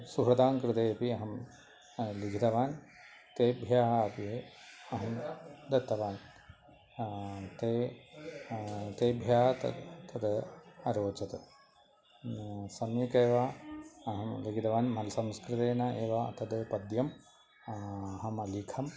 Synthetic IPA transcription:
suɦɾɐd̪aːŋkɾɪt̪eːpiɐɦɐm | liɡʱid̪ɐʋaːn | t̪eːbʱjaːɦɐɐp̪ieɐɦɐmd̪ɐt̪ːɐʋaːn | t̪eː | t̪eːbʱjaːɦɐt̪ɐ̰t̪ʰɐd̪ɐɾoːt͡ʃɐt̪ | sɐmjɐkeːʋaɐɦɐmliɡid̪ɐʋaːnmɐlɐsɐmskɾɨt̪eːnɐeːʋaɐ̰t̪ʰɐd̪pɐd̪jɐm | ɐɦɐmɐliːkʰɐm

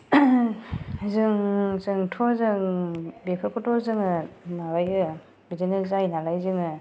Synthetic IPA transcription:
azɯŋzɯŋtʰɔzɯŋbepʰɯkʰɔtʰɔzɯŋɯnawajɯ | bizinɯzajnalajzɯŋɯ

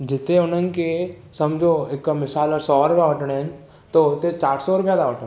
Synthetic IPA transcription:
d͡ʒɪt̪eʊn̤ənɪ̆ke | sɐmd͡ʒʱoekːamɪsaːlɔɾsɔɾʊpjaʋəʈəɽ̃ɦɛn | t̪ot̪et͡ʃaːɽsɔɾʊpjad̪aʋəʈə̃

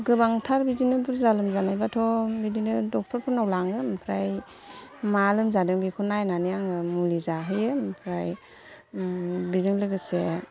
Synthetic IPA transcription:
ɡɯbaŋtʰaɾbidinɯbuɾzalɯmzanajbatʰɔbidinɯdɔk̚tʰɔɾpʰɔnawlaŋɯmpʰɾaj | malɯmzadɯŋbikʰunajnanijaŋɯmulizaɦɯjɯmpʰɾaj | bizɯŋlɯɡɯse

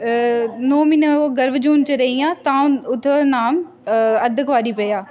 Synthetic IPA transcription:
noːminoɡɐɾbd͡ʑuːnt͡ɕɐɾɐiãːt̪ãːʊt̪ʰənaːm | ɐd̪ʱəkʋaːɾipɐiaː

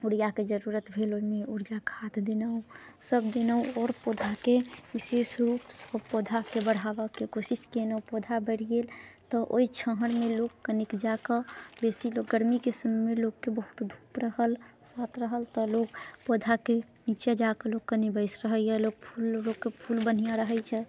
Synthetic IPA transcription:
uɽjaked͡ʒəɾuɾət̪bʱeloimeuɽijakʰat̪d̪enəu | səb̚d̪enəuɔːɾpod̪ʱakeʋisesɾuːpsəbpod̪ʱakebəɽ̤aʋəkekosiskenəupod̪ʱabəɽ̤ijelt̪ɔʔo̰it͡ʃʰəɦəɽ̃meloɡkənikd͡ʒakəbesilokɡəɾmikesəmmelokːebəɦu̥t̪d̪ʱu̥pɾəhəlsat̪ɾəɦəlt̪ɔlokpod̪ʱake | nit͡ʃad͡ʒakəlokkːənibəɪsɾəɦəjɛlok̚pʰulːoɡːepʰulbən̤ijaɾəɦəjt͡ʃʰɛ

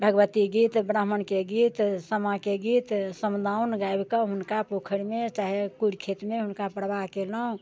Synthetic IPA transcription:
bʱəɡʋət̪iɡit̪bɾaɦmənkeɡit̪səmakeɡit̪səmd̪ʱaunɡajbkəɦunkapokʰəɽmet͡ʃaɦekuɾkʰet̪meɦunkapɾbaɦkeləũ

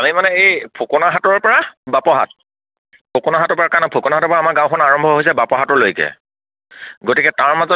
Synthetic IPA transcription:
amimanɛejpʰokɔnaɦatɔɹpɔɹabapɔɦa̰t̚ | pʰokɔnaɦatɔɹpɔɹakanapʰokɔnaɦatɔɹpɔɹaamaɹɡãwkʰɔnaɹɔmbʱɔɦojs̬ɛbapɔɦatɔɹlojkɛ̰ | ɡotikɛtaɹmazɔ

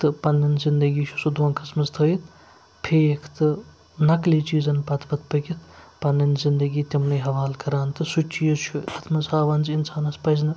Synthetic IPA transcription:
t̪ɨpɐnːɐnzind̪ɐɡiːt͡ʃʰu̥sud̪oːnkʰɐsmɐst̪ʰɐit̪̚ʰ | pʰeekʰt̪ɨ | nɐkliːt͡ʃiːzɐnpɐt̪ʰpɐt̪̚ʰpɐkʲit̪ʰpɐnːɐnzind̪ɐɡiːt̪imnɐjɦɐʋaːlkɐɾaːnt̪ɨsut͡ʃːijɐt͡ʃʰuɐt̪ʰmɐzaːʋɐnzinsaːnɐspɐznɨ

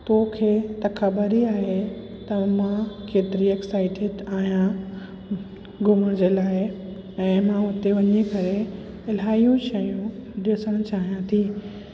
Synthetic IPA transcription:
t̪oːkʰeːt̪ɐkʰɐbəɾiaːɦe | t̪ɐmãkeːt̪ɪɾieksaːɪʈʰɪɖaːɦijã | ɡʊməɽ̃d͡ʑeːlaːɪ | ɛ̃ːmãʊt̪eʋɐɲikɐɾe | ɪlaːijũʃɐjũɗɪsəɽ̃ʊt͡ɕaːɦijãt̪ʰiː

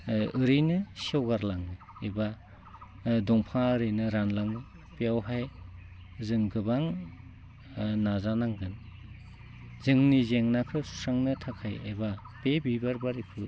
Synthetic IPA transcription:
ɯɾɯjnɯsiawɡaɾlaŋɯ | eba | dɔŋpʰaɯɾɯjnɯɾanlaŋɯ | pijawɦaj | zɯŋɡɯbaŋ | nazanaŋɡɯn | zɯŋnizeŋnapʰɯsu̥saŋnɯtʰakʰajḛba | pebibaɾbaɾipʰɯ

